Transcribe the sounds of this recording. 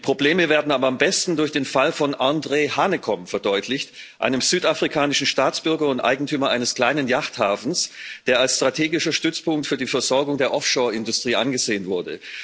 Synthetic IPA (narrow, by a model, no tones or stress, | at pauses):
pʁ̥obleːməveːɐdn̩aːbɐambɛstn̩dʊɐçd̥eːnfalfɔnʔandʁeːhaːnəkʰɔmfɛɐdɔʏtʰlɪçt | ʔa̰ɪnəmz̥yːtafʁ̥ikʰaːnɪʃn̩ʃtaːt͡sb̥ʏɐɡɐʊntʔa̰ɪɡŋ̩tʰyːmɐʔaɪnəskl̥aɪnənjaχthaːfn̩sd̥eːɐalsʃtʁ̥atʰeːɡɪʃɐʃtʏt͡spʊŋk̚tfyːɐdiːfɛɐzɔɐɡʊŋdeːɐʔɔfʃoːɐɪndʊstʁ̥iːʔanɡəzeːənvʊɐdə̰